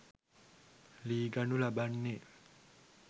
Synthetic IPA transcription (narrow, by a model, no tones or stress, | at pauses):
liːɡanulabanːe